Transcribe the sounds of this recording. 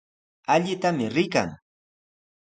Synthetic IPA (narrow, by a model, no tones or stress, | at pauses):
aʎɪt̪amɪɾɪka̰ŋ